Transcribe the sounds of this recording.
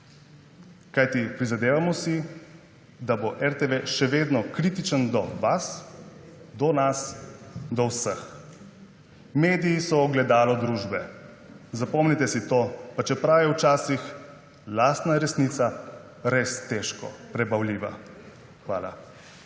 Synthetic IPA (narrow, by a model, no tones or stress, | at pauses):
kajt̪ipɾizad̪eːʋamɔsi | d̪aboʔɛɾt̪eʋeʃɛʋeːd̪nɔkɾit̪it͡ʃənd̪ɔʋas | d̪ɔnasd̪ɔwsəx | meːd̪ijːsɔːɡlɛd̪aːlɔd̪ɾuːʒbɛ | zapɔmnit̪ɛsit̪opat͡ʃɛpɾawjɛwt͡ʃaːsix | last̪naɾɛsnit̪sa | ɾest̪ɛʃkɔ̰pɾɛbawliːʋa̰ | xʋa̰ːla̰